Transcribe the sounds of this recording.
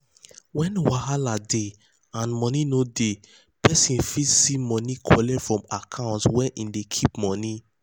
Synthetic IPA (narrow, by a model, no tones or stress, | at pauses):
wɛ̃nwahalade | ãnmɔninode | pɛsĩnfitsimɔnikʰɔlɛfɹɔ̃makʰãʊ̃ntswɛ̃nʔindekʰipmɔni